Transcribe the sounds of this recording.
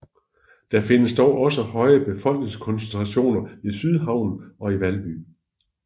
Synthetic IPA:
d̥æfe̝nəsd̥ɒʊʔɒ̽səhɒ̽ɪɐb̥e̝fɒ̽l̰ɡ̥ne̝ŋskʰɒ̽nsent͡sʰʁɑɕo̝̰ːnɐisyð̞ˠɦɑ̈ʊ̰n̩ɒ̽iʋælb̥y̰ː

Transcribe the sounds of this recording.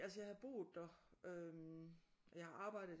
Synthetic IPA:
ælsəjɑ̈ɪhɑ̈b̥ʁṵːðˠd̥ɒømɒjɑ̈hɑ̈ʔɑ̈ːb̥ɑ̈ɪ̰ɾ̩ˠ

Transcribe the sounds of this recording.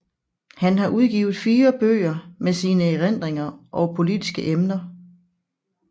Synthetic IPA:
hænɦɑ̈ʔuð̞ˠɡ̥iːʊð̞̩ˠfiːɐb̥ø̰ːɐmesiːnəeʁen̰d̥ʁeŋɐʔɒ̽pʰo̝lid̥isɡ̥əʔemnɐ

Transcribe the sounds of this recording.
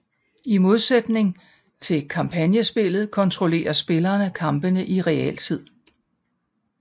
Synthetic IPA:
imo̝ð̞ˠsed̥ne̝ŋ | t͡sʰe̝lkʰɑ̈mpʰænjəsb̥e̝lð̩ˠkʰɒ̽nt͡sʰʁole̝̰ːɐsb̥e̝lɐːnəkʰɑ̈mb̥ənəʔiʁɛɛ̰ːlt͡sʰið̞̰ˠ

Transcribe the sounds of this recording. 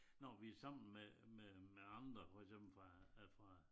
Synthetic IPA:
nɒʋiæsɑ̈m̰n̩mememeɑ̈nd̥ʁɐfɒɡ̥sem̰b̥l̩fʁɑfʁɑ̈

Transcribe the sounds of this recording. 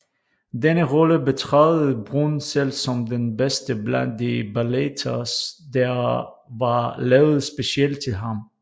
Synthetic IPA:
denəʁɔləbet͡sʰʁɑð̩ˠbʁunselsɒ̽mdenbesd̥əblænddebælet͡sʰɐsd̥æɐ | ʋɑlɛːʊð̩ˠsb̥e̝siel̰d̚t͡sʰe̝lɦɑm

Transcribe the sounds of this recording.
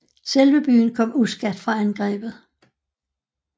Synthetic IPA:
selʋəb̥y̰ːnkʰɒ̽m̰usɡ̥æd̥fʁɑ̈ænɡ̥ʁɛ̰ːb̥ð̩ˠ

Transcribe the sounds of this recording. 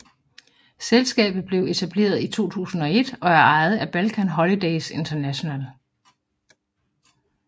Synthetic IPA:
selsɡ̥ɛ̰ːb̥ð̞̩ˠb̥le̝ʊe̝t͡sʰæb̥le̝̰ːɐð̞ˠit͡sʰo̝̰ːt͡sʰṵːsn̩ɒ̽e̝d̥ɒ̽æɐɑ̈ɪð̩ˠæb̥ælkʰænɦɒ̽lid̥eɪse̝nt͡sʰɐnæɕo̝næl

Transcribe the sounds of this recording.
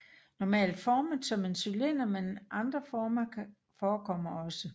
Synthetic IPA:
nɒmɛ̰ːld̥fɒːməðˠsɒ̽me̝nsylen̰ɐmenʔɑ̈nd̥ʁɐfɒːmɐ | fɒːkʰɒ̽m̰ɐɒ̽sə

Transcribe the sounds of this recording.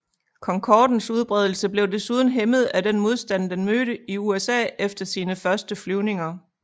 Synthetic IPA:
kʰɒ̽ŋkʰɒːd̥n̩suð̞ˠb̥ʁɛð̞ˠl̩səb̥le̝ʊd̥e̝suð̞ˠn̩ɦeməð̞̩ˠæd̥enmo̝ð̞ˠsd̥ænd̥enmøːɾəiuesɛ̰ːefd̥ɐsiːnəfɶɐsd̥əflyʊne̝ŋɐ

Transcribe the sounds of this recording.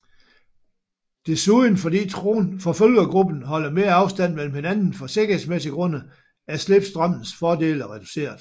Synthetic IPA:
d̥e̝suðˠn̩fɒ̽d̥ḭːt͡sʰonfɒ̽føl̰ɡ̥ɐɡ̥ʁub̥n̩ɦɒ̽l̰ɐme̝ːɐɑ̈ʊsd̥æn̰mel̰m̩he̝nænn̩fɒ̽se̝ɡ̥ɐhe̝s̬mesiɡ̥ʁɔ̽n̰ə | æsleb̥sd̥ʁɑm̰n̩sfɒːd̥e̝̰ːlɒʁɛd̥use̝̰ːɐðˠ

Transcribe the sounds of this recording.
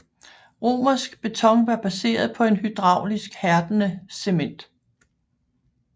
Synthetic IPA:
ʁo̝̰ːmɐsɡ̥b̥e̝t͡sʰɒ̽ŋ̰ʋɑ̈b̥æse̝̰ːɐð̞ˠpʰɒ̽e̝nhyd̥ʁɑ̈ʊ̰lisɡ̥hæɐd̥ənəsemen̰d̥

